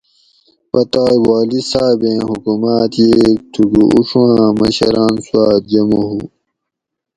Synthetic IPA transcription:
pɐt̪aːjwaːlisaːbẽːhukumaːt̪jeːk̚t̪ʰuɡuuʂwãːmɐɕɐɾaːnsuwaːt̪̚d͡ʑɐmoɦu

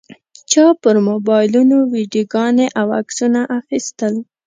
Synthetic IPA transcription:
t͡ʃɑpəɾmobɑjlunowiɖjoɡɑneʔawa̰ksunaʔaxist̪əl

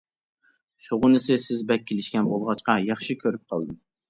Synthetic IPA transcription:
ʃoʁʊnɨsɪsɪzbɛk̚ʲʰːelɪʃkʲɛnbolˠʁɑt͡ʃqɑjɑχʃikʲʰøɾyp̚qʰɑ̰lˠd̪ɨm

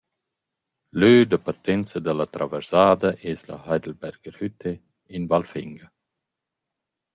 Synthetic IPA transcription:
løːd̪əpaɾt̪ɛnt͡sɐd̪əlat̪ɾavɛɾsaːd̪ɐʔeːsla̰hajd̪əlbɛɾɡəɾhyt̪ʰe | invalfḭŋɡə

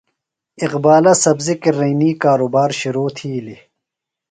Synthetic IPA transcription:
iqbaːlɐsɐbzikiɾiːniːkaːɾoːbaːɾɕuɾoːt̪ʰiːli

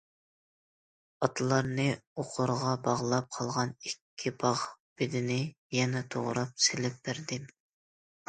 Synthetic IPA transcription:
ɑt̪ʰɨlˠɑɾnɨoqʰʊɾʁɑbɑʁlˠɑp̚qʰɑlˠʁɑnikʲʰːibɑʁb̥ɪd̪ɪnɪ | jɛnɛt̪ʰoʁɾɑp̚sɪlɪp̚b̥æɾd̪ɪ

